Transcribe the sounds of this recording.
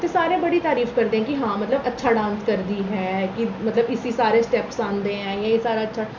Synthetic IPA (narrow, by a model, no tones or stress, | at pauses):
t̪eːsaːɾẽːbəɽiːt̪aːɾiːfkəɾd̪ẽːɛ̃ːkɪɦãːmət̪ləbətːʃʰaːɖãːnt̪kəɾd̪iːɦɛːkɪmət̪ləbɪsiːsaːɾeːsʈɛːpsãːnd̪eːɦɛ̃ːjãːeːsaːɾaːətːʃʰaː